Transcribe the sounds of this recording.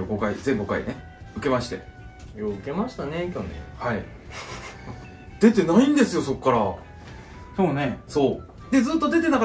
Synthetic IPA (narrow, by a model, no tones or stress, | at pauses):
oɡo̞kaizẽ̞ŋɡokaḭne̞ | ɯ̟ke̞maɕi̥t̪e̞̰ | joɯke̞maɕi̥t̪ane̞kʲonḛhai | d̪̥e̞t̪e̞naĩnd̪e̞sɨjo̞so̞kːaɾa | so̞ːne̞so̞ː | d̪̥e̞d͡zɨːt̪ːod̪e̞t̪e̞nak